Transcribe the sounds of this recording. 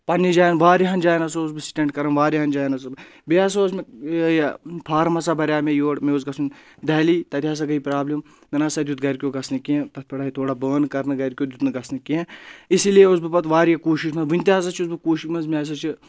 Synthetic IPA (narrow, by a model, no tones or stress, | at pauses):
pɐnːid͡ʒaːjnʋaːɾiɦɐnd͡ʒaːjnɐsousbɨsi̥ʈẽɳʈkɐɾɐnʋaːɾiɦɐnd͡ʒaːjnɐs̬ɐbɨ | beas̬oːsme | pʰaːɾmɐsabɐɾʲaːmejoːɽmeozɡɐsund̪ɐːliːt̪ɐt̪iaːs̬ɐɡɐipɾaːblim | mʲɐnɐsɐːd̪ʲut̪ɡɐɾkʲoːɡɐsnɨkiẽt̪ɐt̪̚ʰpʰɐɽaːit̪ʰoːɽabəːnkɐɾnɨɡɐɾʲkʲoːd̪ʲut̪nɨɡɐsnɨkiẽisilieus̬bɨpɐt̪ʋaːɾijɐkuːʃiʃmɐʋunʲt̪eɐs̬ɐt͡ʃʰiusbɨkuːʃiʃmɐzmʲeas̬ɐt͡ʃʰi